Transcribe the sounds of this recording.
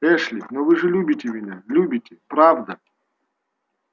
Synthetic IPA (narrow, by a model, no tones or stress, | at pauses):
ɛʂlʲɪnovɨʐɨlʲubʲɪtʲɪmʲɪnʲalʲubʲɪtʲɪpɾavd̪ɐ